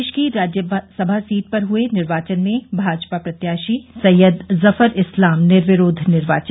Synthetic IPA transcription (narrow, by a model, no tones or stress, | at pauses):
ʃkiɾaːd͡ʒjəsɐbʱasiːʈ̚pɐɾɦʊenɪɾʋaːt͡ʃənmẽbʱaːd͡ʒpapɾɐt̪jaːʃisɐjːəd̪zɐfəɾɪslaːmnɪɾʋɪɾoːd̪ʱnɪɾʋa̰ːt͡ʃə